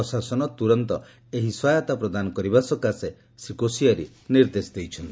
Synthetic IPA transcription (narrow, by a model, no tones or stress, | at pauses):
ɔsasɔnɔt̪uɾɔnt̪ɔ | eɦiswajɔt̪apɾɔd̪anɔkɔɾibasɔkase | sikosiaɾḭ | niɾd̪esd̪ejt͡ʃʰɔnt̪i